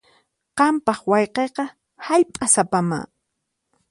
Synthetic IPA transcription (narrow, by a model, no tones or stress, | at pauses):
qɑmpɑχwɑjqejqɑ | haʎpʼasapama̰ː